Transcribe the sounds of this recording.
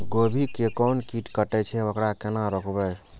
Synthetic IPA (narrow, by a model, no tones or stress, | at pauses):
ɡobʱikekɔnkiʈkəʈɛt͡ʃʰɛokɽakenaɾəkʰbɛ